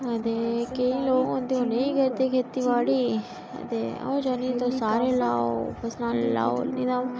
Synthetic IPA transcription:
ɐd̪ekeĩloːɡõnd̪iõnẽĩɡəɾt̪ekʰeːt̪iʋaːɽiː | ɐ̰d̪eɐ̰õd͡ʒanĩt̪osaːɾelaːopʰɐsnaːlela̰ːo̰nĩd̪aː

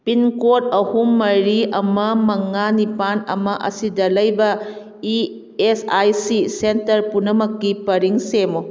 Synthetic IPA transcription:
pinkot̚ɐhumːɐɾiɐmɐmɐŋanipanɐ̰mɐʔɐ̰sidɐlɐjbɐ | i | esajsisentɐɾpunɐmɐkːipɐɾiŋsemo

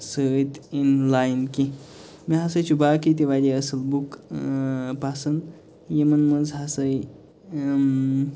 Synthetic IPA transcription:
səit̪inlajnki | miɦasəjt͡ɕubʱakit̪̬iʋaliəsəlbuk | pasən | jemənməd͡zɦasəj

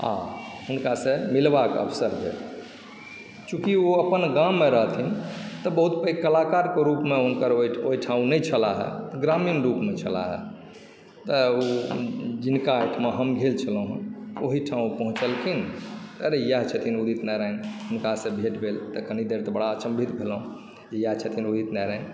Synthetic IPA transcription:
a̰hunkasemilbakə̰pʰsəɾbʱḛl | t͡ʃũkioəpənɡãmːeɾəɦt̪ʰint̪əbəɦut̪pəikəlakaɾkeɾupmeɦunkəɾoioɦiʈʰãũnɛt͡ʃʰəlaɦɛ̰t̪ɡɾaminɾupmet͡ʃʰəla̰ɦɛ̰ | t̪əo | d͡ʒinkaːʈʰmeɦəmɡʱelt͡ʃʰələ̃ɦoɦiʈʰãũpəɦũt͡ʃəlkʰint̪əɾejəɦt͡ʃʰət̪ʰinud̪ʱit̪nɛɾaɦinunkasẽbʱeʈbʱelt̪əkənid̪eɾt̪ɔbəɽaːt͡ʃəmbʱit̪bʱelũ | d͡ʒejaɦt͡ʃʰət̪ʰinud̪ʱit̪nɛɾəɦin

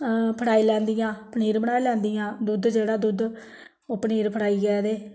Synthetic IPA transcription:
pʰəɽaːiːlɛ̃ːnd̪ɪjãːpʰniːɾbəɽaːilɛ̃ːnd̪ijãːd̪ʊd̪d͡ʒeːɽaːd̪ʊd̪ | oːpəniːɾpʰəɽaːiːɡɛːd̪eː

